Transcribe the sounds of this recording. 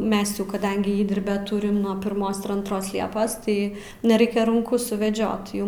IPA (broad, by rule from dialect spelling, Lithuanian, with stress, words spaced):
ˈmʲɛs jɛʊ kɐˈdɐŋʲɡʲɪ ˈiːdʲɪrʲbʲoː ˈtʊrʲɪm nuɔ pʲɪrˈmoːs ɪr ɐntˈroːs ˈlʲiɛpoːs ˈtɐɪ nʲɛˈrɐɪkʲɛ rʊŋˈkʊ sʊʋʲɛˈd͡ʒʲoːt ˈjʊm